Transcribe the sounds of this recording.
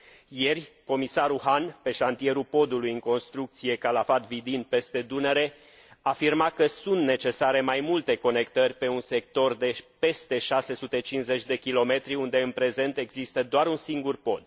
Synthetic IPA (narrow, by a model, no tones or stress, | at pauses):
je̞rʲko̞misaɾuɦanpe̞ʃant̪ie̞ɾupo̞d̪ulujɨŋko̞nst̪ɾuk̚t̪sije̞kalafat̪vid̪inpe̞st̪ed̪uneɾe̞ | afirmakəsunt̪ne̞t͡ʃe̞saɾe̞majmult̪e̞ko̞ne̞kt̪ərʲpe̞unse̞k̚t̪o̞rd̪e̞pe̞st̪e̞ʃase̞sut̪e̞t͡ʃinsze̞t͡ʃʲd̪e̞kʲilo̞me̞t̪ɾiund̪e̞ɨnpɾe̞ze̞nt̪e̞ɡzist̪əd̪oaɾunsiŋɡurpo̞d̪̥̚